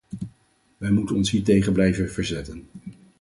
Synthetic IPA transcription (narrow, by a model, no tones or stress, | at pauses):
ʋɛjmutənɔnsɦiːɹt̬ejχənblɛjvənvəɹzɛtən